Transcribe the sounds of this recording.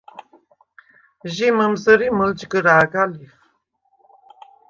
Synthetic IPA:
ʒiməmzəɾiməld͡ʒɡəɾaːɡalif

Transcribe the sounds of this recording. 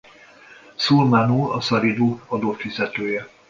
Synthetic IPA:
sulmaːnuːɒsɒɾid̪oːɒd̪oːfizɛt̪øːjɛ

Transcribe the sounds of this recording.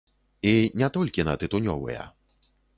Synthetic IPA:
inʲɛt̪ɔlʲkʲinɐ̰t̪ɨt̪unʲɔ̰vɨ̰jɛ̰

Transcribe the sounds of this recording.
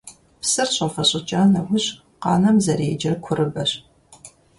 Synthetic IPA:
psɨrɕʷʼɐfɐɕʼɪt͡ʃʼaːnɐwʷʊɕ | qɑ̰ːnɐmzɐɾeːd͡ʒɐrkʷʰʊɾɨbɐɕ

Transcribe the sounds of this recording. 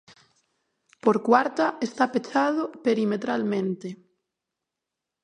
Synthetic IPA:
poɾkwaɾt̪aest̪apet͡ʃaðopeɾimet̪ɾalmẽnt̪e

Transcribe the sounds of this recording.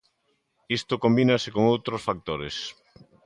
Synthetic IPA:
ist̪okombinasekoŋowt̪ɾosfak̚t̪oɾes

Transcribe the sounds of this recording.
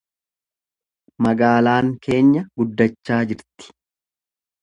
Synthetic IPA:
mɐɡaːlaːŋkʰe̞ːɲːɐɡ̥ʊd̪ːɐt͡ʃːaːd͡ʒɪɾt̪ɪ̥

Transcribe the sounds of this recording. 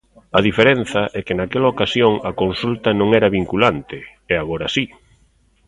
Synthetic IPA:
ɐðifeɾen̟θɐʔɛkɪnakɛlaokasjoŋɐkonsult̪ɐnõŋɛɾɐβiŋkulant̪ɪɛaɣoɾasi

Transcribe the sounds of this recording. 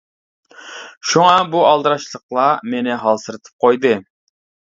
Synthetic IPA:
ʃuŋɑbuɑlˠd̪ɨɾɑʃlˠəqlˠɑmenɪɦɑlˠsɨɾɨt̪ʰɨ̥p̚qʰojd̪ɨ

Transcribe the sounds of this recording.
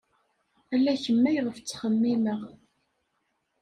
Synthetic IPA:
ælːæçəmːæjʁəft͡sːχəmːiməʁ

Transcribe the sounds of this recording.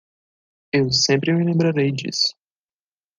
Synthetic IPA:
ewsẽmpɾɪmilẽmbɾaɾejd͡ʒḭsʊ̥

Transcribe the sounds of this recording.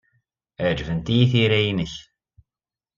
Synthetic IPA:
æd͡ʒvənt̪iθiɾæjinəç

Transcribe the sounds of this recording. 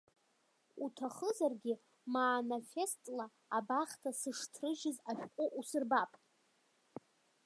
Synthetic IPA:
utʰaχəzarɡʲɪ | maːnafe̞stʼla | abaχtʰasɨʂtʰrɨʒɪzaʃᶣqʷʼʊʔusɨrbapʼ

